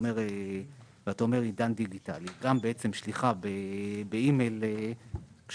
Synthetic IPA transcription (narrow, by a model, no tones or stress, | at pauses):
meʁe | veataome̞ʁid̪andiɡita̰liɡambeet͡semʃliχabebeime̞jle | kʃ